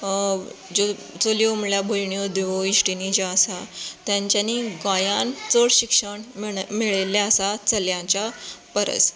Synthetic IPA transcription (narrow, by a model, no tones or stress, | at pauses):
d͡ʑo | t͡soliomɭjabʱojɳijod̪eʋoiʂʈinid͡ʑaəsat̪jãɲt͡ɕjaniɡajant͡soɽɕikʂəɳmiɭeljaəsat͡səljãt͡ɕapəɾə̰t͡s